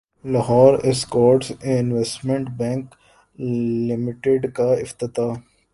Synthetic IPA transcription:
laɦɔːɾeskɔːɾʈsɪnʋesʈmẽɳʈbɛ̃ːŋk | lɪmɪʈeɖkaɪft̪ɪt̪aː

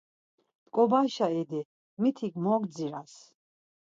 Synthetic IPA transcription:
d̪kʼɔbaʃaɛd̪ɛ | mit̪ʰiɡmɔɡ̪d͡ziɾas

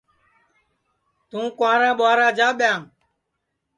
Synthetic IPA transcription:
t̪ũːkʊãːɾãːɓʊaːɾaːd͡ʒaːɓjãː

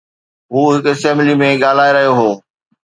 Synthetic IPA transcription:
ɦuːɦɪkesɛ̃ːmblimẽɠaːl̤aːeɾɐɦijoɦoː

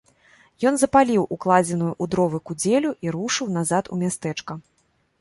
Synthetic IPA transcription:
jɔnzɐpalʲiwʔuklˠad͡zʲɛnujuʔud̪ɾɔvɨkud͡zʲelʲuʔiɾuʂɨwnazat̪ṵmʲast̪ɛt͡ʂkɐ

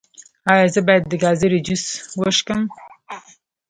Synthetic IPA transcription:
ɑjɑzəbɑjad̪̚ːəɡɑzəɾid͡ʒuswəʃkəm

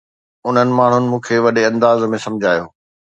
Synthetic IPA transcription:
ʊn̤ənɪ̆maːɳ̤ʊnɪ̆mũːkʰeʋɐɗeɐ̃nd̪aːzmẽsɐ̃md͡ʑʱaːjoː

